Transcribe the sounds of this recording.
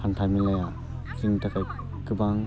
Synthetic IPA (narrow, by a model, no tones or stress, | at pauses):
hantʰajmilaja | siŋtʰakaj | kɯbaŋ